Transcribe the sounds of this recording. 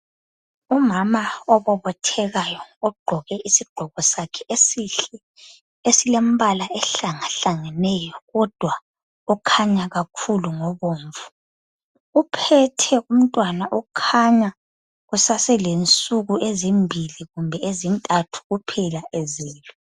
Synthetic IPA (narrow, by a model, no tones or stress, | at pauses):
umamaɔβɔβɔtʰɛɣajɔːɡ͡ǃʱɔɣɛʔisiɡ͡ǃʱɔɣɔsakʰɛ | esilem̩βalaʔɛɬaŋaɬaŋɛnɛjɔɣɔd̥ʱwa | ɔkʰaɲaɣakʰuluŋɔβoːɱvu̥ | upʰɛtʰɛum̩tʼwanaʔɔkʰaɲa | ɣusasɛlent͡sʼuɣuezimbʱiliɣumbʱɛezintʼatʰu̥ɣupʰɛlaʔɛzɛːlɔ